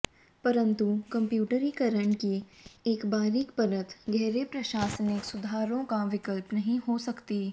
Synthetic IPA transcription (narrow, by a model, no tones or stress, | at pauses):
pɐɾə̃nt̪ukɐ̃mpjuːʈəɾikɐɾəɳ̃kieːkbaːɾikpɐɾət̪ɡɛːɾepɾɐʃaːsənɪksʊd̪ʱaːɾõkaʋɪkəlpnɐɦĩɦosɐkt̪iː